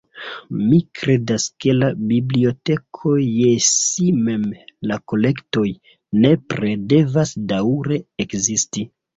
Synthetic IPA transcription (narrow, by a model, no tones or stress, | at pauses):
mikɾe̞daske̞labiblio̞te̞kʰojesime̞mlako̞le̞kto̞j | ne̞pɾede̞vasdawɾe̞ekzisti